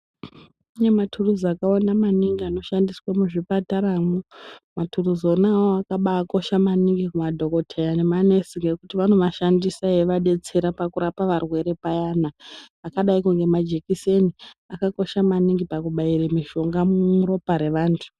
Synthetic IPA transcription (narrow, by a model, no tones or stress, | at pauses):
uɲematʰuruzakawanamaniŋɡiano̞ʃandiswamuʐipataɾaːmumatʰuruzo̞nawoakaɓaːko̞ʃamaniŋɡikumadʱo̞ko̞tʰejane̞mane̞siŋɡe̞kutiʋan̤umaʃandisaeʋaɗe̞t͡se̞ɾapakuɾapaʋarwe̞ɾe̞pajanaːkaɗaikuŋɡe̞mad͡ʒekiseniakako̞ʃamaniŋɡipakuɓaiɾemiʃo̞ŋɡamumuɾo̞paɾe̞ʋaːntʰu̥